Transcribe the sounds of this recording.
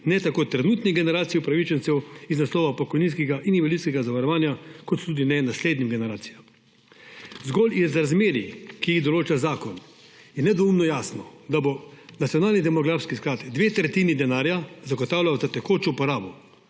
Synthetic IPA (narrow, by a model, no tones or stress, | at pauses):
nɛt̪akoːt̪ɾɛnuːt̪niɡɛnɛɾaːt̪sijiupɾaʋit͡ʃɛnsɛwiznaslɔːʋapɔkɔjninskɛɡaʔiniʋɛliskɛɡazaʋaɾɔʋaːnjakɔt̪ːud̪inɛnasleːd̪nimɡɛnɛɾaːt̪sijam | zɡɔlizɾazmeːɾikiiɣd̪ɔloːt͡ʃazaːkɔn | jɛnɛd̪ɔumnɔjaːsnɔd̪abonat̪sijɔnaːlnid̪ɛmɔɡɾaːfskisklaːt̪d̪ʋeːt̪ɾɛt̪iːnid̪ɛnaːɾjazaɡɔt̪aːwljawzat̪ɛkoːt͡ʃopɔɾaːbɔ